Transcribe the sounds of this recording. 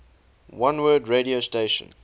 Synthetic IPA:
wãnwɜːdɹeɾiosteɪʃə̰̃n

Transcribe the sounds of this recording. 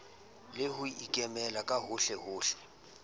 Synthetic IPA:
lɪɦʊikʼɛmɛlakʼaɦʊɬɛɦʊːɬɛ̥

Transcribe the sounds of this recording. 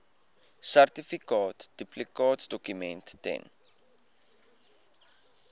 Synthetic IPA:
særtifikɑːtd̥yplikɑːtsdɔkymɛntːɛ̰n

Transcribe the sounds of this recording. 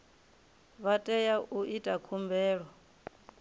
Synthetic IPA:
βatʼɛjaʔuʔitʼakʰumbɛːɺɔ

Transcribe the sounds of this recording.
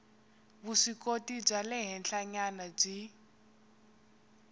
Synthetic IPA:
βuʂikotib͡ʐalɛɦɛnɬaɲanab͡ʐi

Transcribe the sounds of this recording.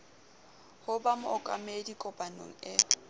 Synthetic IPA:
hʊbamʊɔkʼa̰medikʼɔbʼano̰ŋ̩ɛ

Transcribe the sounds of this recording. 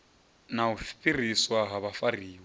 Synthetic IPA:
naɦufi̥pʼiriswaɦaβafariːwɛ

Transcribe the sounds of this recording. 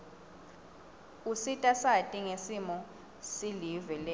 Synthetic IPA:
usitʼasatʼiŋesimɔ | silivɛlɛ

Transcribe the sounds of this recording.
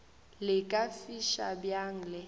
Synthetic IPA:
lɪkʼafiʃa̰bjaŋ̩lɪ

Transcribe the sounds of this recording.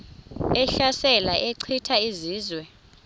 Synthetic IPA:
ɛɬasɛlaʔɛǀʰitʰaiziːzwɛ

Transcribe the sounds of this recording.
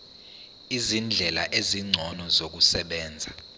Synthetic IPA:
izind͡ɮʱɛlaʔeziŋ͡ǀʱɔnɔzok̬usɛɓɛːnd͡zʱa

